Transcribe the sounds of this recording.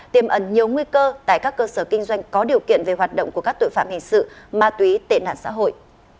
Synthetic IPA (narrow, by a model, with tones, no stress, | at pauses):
t̪i˨˩əmʔə˨˧˩nɲi˨˩əwŋwi˧kəː˧t̪a̰ː˧˨jkaː˦˥kːəː˧səː˧˩kï˧ŋ̟zwa˧jŋ̟kɔ˨˦ɗi˨˩əwkḭ˧˨ənve˨˩ɦwaː˨˩t̚ɗə̰˧˨wŋ͡mku˧˩əkaː˦˥k̚t̪o̰˧˨jfa̰ː˧˨mhï˨˩ŋ̟sɨ̰˧˨maː˧t̪wi˨˦t̪ḛ˧˨˩na̰ː˧˨nsa̰ː˧˥ɦo̰˧˨jʔ